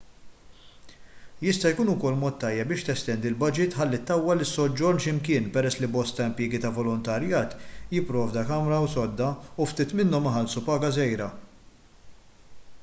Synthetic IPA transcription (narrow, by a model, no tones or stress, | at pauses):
jɪst̪ɐjkuːnʊkɔlːmɔːt̪ːɐjːɛp̚bɪːʃt̪ɛst̪ɛnd̪iɪlbɐd͡ʒɪt̪ħɐlːit̪ːɐwːɐlːɪsːɔd͡ʒːɔɾnʃɪmkɪːnpɛɾɛsːlibɔst̪ɐɪmpjɪːɡit̪ɐvɔlɔnt̪ɐɾjɐːt̪jɪpːɾɔːvd̪ɐkɐmɾɐwsɔd̪ːɐuft̪iːt̪mɪnːɔmɪħɐlsupɐːɡɐzɛjɾɐ